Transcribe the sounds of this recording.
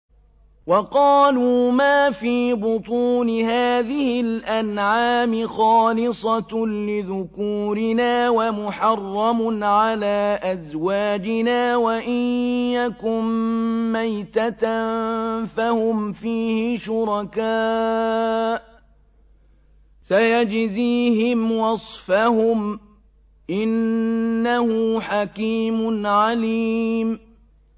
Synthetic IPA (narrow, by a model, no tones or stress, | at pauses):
wɑqɑːluːmaːfiːbʊt̪ˤuːnɪhaːðɪhɪlʔanʕaːmɪxɑːlɪsˤɑlɪðʊkuːɾɪnaːwamʊħɑrˤːɑmʊnʕalaːʔazwaːd͡ʒɪnaːwaʔɪjːakʊmː | ajt̪at̪a | fahʊmfiːhɪʃʊɾɑkaː | ʔ | sajad͡ʒziːhɪmwɑsˤfahʊm | ʔɪnː | ahʊħakiːmʊnʕaliːm